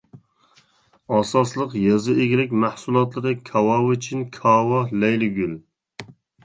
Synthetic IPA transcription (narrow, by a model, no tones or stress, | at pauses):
ɑsɑslˠəqjɑzɨeɡʲilɪk̚ʲmæhsulˠɑt̪lˠɨɾɨkʲʰɑwɑwut͡ʃʰinkʲʰɑːwɑlɛjlɪɡʲyl